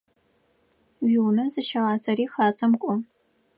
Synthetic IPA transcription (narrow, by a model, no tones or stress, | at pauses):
ɥiwnɐzɨʃɐʁɑːzɐɾiːxaːzɐmkʷʼʊ